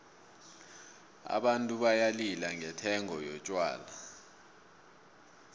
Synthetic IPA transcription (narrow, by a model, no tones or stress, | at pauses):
a̰ɓantʼuɓajalilaŋɛtʰɛŋɔjɔt͡ʃʼwa̰ːla